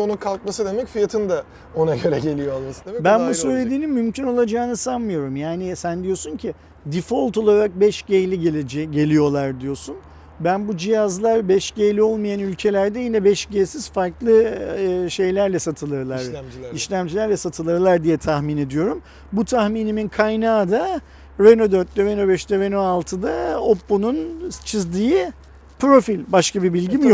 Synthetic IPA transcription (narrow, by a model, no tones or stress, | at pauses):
o̞nunkʰalˠk̚masɯd̪e̞mɛcfijat̪ʰɯnd̪a | o̞naɟø̞ɾɛɟe̞lʲijo̞alˠmasɯd̪emɛbænbunsø̞jlʲe̞d̪iːnimːymcʰino̞lˠad͡ʒaːnɯsanmɯjo̞ɾumjaːnɪsænd̪ijo̞suncʰi | d̪ifo̞lˠt̪o̞lˠaɾak̚bɛʃɟejlʲiɟɟe̞lʲijo̞lˠaɾd̪ijo̞sun | bænbud͡ʒijazlˠaɾbɛʃɟejlʲio̞lˠmajanylʲcʰe̞lʲæɾd̪ɛjinɛbɛʃɟejsiz̥faɾklˠɯ | ʃe̞jlʲæɾlʲɛsat̪ʰɯlˠɯɾlˠaɾiʃlʲæmd͡ʒilʲæɾlʲɛsat̪ʰɯlˠɯɾlˠaɾd̪ijɛt̪ʰaxmine̞d̪ijo̞ɾum | but̪ʰaxmiːniminkʰajnaːd̪a | ɾenod̪øɾt̪̚d̪ɛvenobɛʃt̪ɛvenoalˠt̪ʰɯd̪aopːununt͡ʃʰizd̪iji | pɾo̞filʲbaʃkabibilʲɟimj